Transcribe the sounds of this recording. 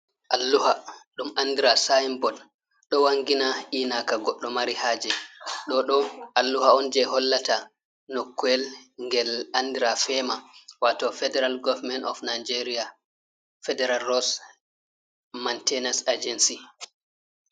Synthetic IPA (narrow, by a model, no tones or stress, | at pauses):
ʔalːuhaɗumʔandiɾasajmbɔl | ɗɔwaŋɡinaʔiːnakaɡɔɗːɔmaɾihaːd͡ʒɛɗɔɗɔalːuhaɔnd͡ʒɛɦɔlːata | nokːuɛlŋɡɛlandiɾafɛmawatɔfɛdɛɾalɡɔvmɛnɔ̰fnajd͡ʒeɾia | fɛdɛɾalːɔs | mantɛnasad͡ʒɛnsi